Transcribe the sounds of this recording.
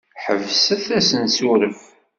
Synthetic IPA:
ħəvsəθæsənsuɾəm

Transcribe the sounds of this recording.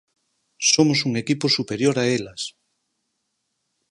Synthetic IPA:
somosuŋekiposupeɾjoɾaelas

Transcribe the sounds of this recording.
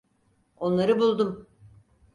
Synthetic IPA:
o̞nlˠaɾɯbulˠd̪um

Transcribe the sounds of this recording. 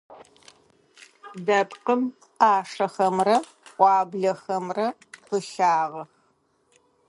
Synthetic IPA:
dɐpqəm | ʔaːʂɐxɐmrɐ | qʷʼɑːbɮɐxɐmrɐ | qəʃaːʁɐx

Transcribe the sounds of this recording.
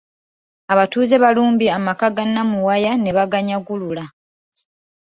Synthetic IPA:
aβatuːzeβaluːmbiamakaɡanːamuwajane̞βaɡaɲaɡulula

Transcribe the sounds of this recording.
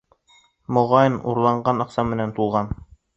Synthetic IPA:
mŏʁɑjnṵɾlˠɑɴɢɑnɑqsɑmmɘ̆nænt̪ulˠʁɑn

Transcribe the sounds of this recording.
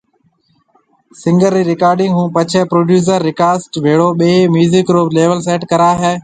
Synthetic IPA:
sɪ̃ŋɡəɾːiːɾɪkaːɾɖɪ̃ŋɡɦũːpət͡ʃʰɛːpɾoːɖjuːs̬əɾːɪkaːsʈʋʱeːɽoːɓeːmjuːzɪkɾoːpleːʋəls̬eːʈkəɾaːɦeː

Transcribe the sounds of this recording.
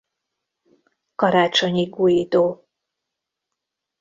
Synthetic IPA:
kɒɾaːt͡ʃoɲiɡujid̪oː

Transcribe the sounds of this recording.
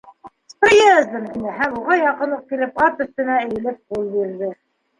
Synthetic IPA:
prʲijæzd̪ɘmt̪inɘɦæmuʁɑjɑqɤ̆nuq̚kilɘpɑt̪ɵ̆st̪ɘ̆næɘ̆jɘ̆lɘp̚qulˠbiɾðɘ

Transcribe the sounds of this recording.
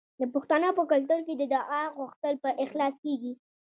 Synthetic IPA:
d̪əpʊxt̪ɑnɑpəkalʈʊlked̪əd̪ɑʔaɣuxt̪əlpəʔɪxlɑskeɡi

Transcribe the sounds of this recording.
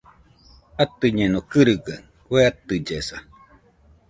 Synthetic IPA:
at̪ɨɲẽnokɨɾɨɡaŋ | weat̪ɨd͡ʒesa

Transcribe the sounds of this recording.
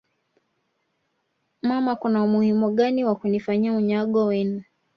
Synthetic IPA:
mamakunaumuhimuɠaniwakunifaɲiauɲaɠɔwɛnu

